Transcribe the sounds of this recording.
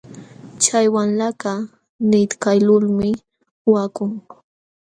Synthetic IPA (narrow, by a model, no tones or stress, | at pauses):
t͡ʃajwanlaka | nɪt̪kajlʊlmɪ | wakʊŋ